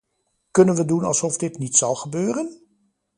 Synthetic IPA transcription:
kɵnənʋədunɑ̰lˠsɔfdɪtnitsɑlˠχəbøːrən

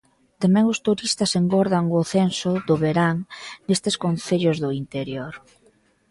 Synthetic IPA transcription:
t̪amɛ̃ŋʊst̪uɾist̪ɐseŋɡɔɾðaŋʊθensʊðʊβeɾaŋnest̪eskonθeʎʊzðʊint̪eɾjoɾ

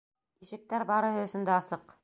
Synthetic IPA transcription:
iʃɘ̆k̚t̪æɾbɑɾɤ̆ɦɤ̆ɵ̆sɵ̆nd̪æːsɤq

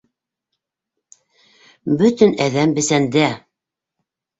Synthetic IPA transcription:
bɵt̪ɘnæðæmbɘ̆sænd̪æ

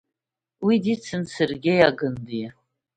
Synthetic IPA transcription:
widit͡sʰɨnsɨrɡʲejaɡɨndi

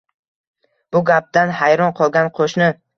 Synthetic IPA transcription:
b̥ʊɡʲap̚d̪anhajɾɒnqʰɒlˠɡʲanqʰoʃnɪ

